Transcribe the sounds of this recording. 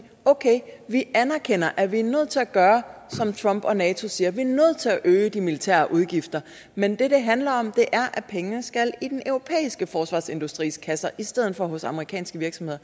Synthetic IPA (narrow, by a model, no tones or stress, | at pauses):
okʰeɪʋiʔænæɐkʰen̰ɐʔæʋiænøð̞̩̰ˠt͡sʰe̝læɡ̥ɶːɐsɒ̽mt͡sʰʁɒ̽m̰b̥ɒ̽nɛːt͡sʰo̝siːɐʋiæɐnøð̞̩̰ˠt͡sʰe̝æʔøːəd̥imilit͡sʰæ̰ːɐʔuð̞ˠɡ̥ifd̥ɐ | mend̥e̝d̥e̝ɦænlɐɒ̽md̥e̝ʔæɐʔæpʰeŋənəsɡ̥ælid̥enʔøʊʁo̝pʰḛːisɡ̥əfɒːsʋɑ̰̈ːse̝nd̥usd̥ʁḭːskʰæsɐʔisd̥eð̞̰ˠn̩fɒ̽ɦɔ̽sɑ̈məʁikʰɛ̰ːnsɡ̥əʋiɐɡ̥sɒmhe̝ðˠɐ